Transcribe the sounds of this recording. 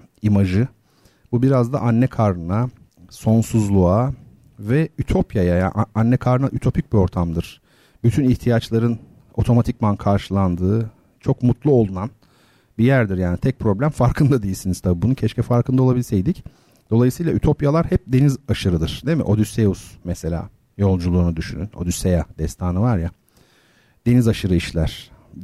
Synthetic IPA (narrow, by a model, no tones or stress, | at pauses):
imaʒɯ | bubiɾazd̪a̰ʔanːɛkʰaɾɯna | so̞nsuzlˠua | vɛyt̪ʰo̞pjajajaʔanːɛkʰaɾɯnaʔyt̪ʰo̞pʰic̚bio̞ɾt̪ʰamd̪ɯɾ̥ | byt̪ʰyniçt̪ʰijat͡ʃlˠaɾɯn | o̞t̪ʰo̞mat̪ʰic̚mankʰaɾʃɯlˠand̪ɯː | t͡ʃʰo̞kmut̪lˠuo̞lˠunan | bijæɾd̪iɾjaːnit̪ʰɛc̚pʰɾo̞blʲæmfaɾkʰɯnd̪ad̪ejilʲsiniz̥t̪ʰabibununcʰɛʃcʰɛfaɾkʰɯnd̪ao̞lˠabilʲisejd̪ic | d̪̥o̞lˠajɯsɯjlˠayt̪ʰo̞pijalˠaɾhɛp̚d̪e̞nizaʃɯɾɯd̪ɯɾ̥d̪emḭʔo̞d̪yseusmɛse̞lʲa̰ː | jo̞lˠd͡ʒulˠuːnud̪yʃynyno̞̰d̪ysejad̪̥ɛst̪ʰaːnɯvaɾja | d̪̥e̞nizaʃɯɾɯiʃlʲæɾ̥